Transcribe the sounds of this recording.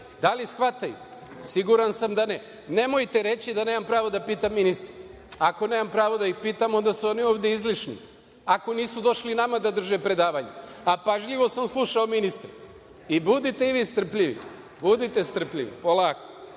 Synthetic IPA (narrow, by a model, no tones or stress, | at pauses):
d̪alisxʋat̪ajṵ | siɡuɾansamd̪ane | ne̞mo̞jt̪e̞ɾe̞t͡ɕid̪aneːmampɾaːʋo̞d̪apiːt̪amːinist̪ɾi | ako̞ne̞ːmampɾaːʋo̞d̪aixpiːt̪amo̞nd̪asuo̞nio̞ːʋd̪je̞izlit͡ʃnḭ | ako̞niːsud̪o̞ʃlinamad̪ad̪r̩ʒepɾe̞d̪aːʋaɲa̰apaʒʎiʋo̞samslˠuʃaominist̪ɾi | ibud̪it̪e̞iʋiːst̪r̩pʎiʋḭ | bud̪it̪est̪r̩pʎiʋḭpolaːko̥